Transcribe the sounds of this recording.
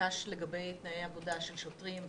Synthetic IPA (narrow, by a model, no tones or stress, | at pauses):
aʃle̞ɡabejt̪naejavodaʃe̞lʃotʁimv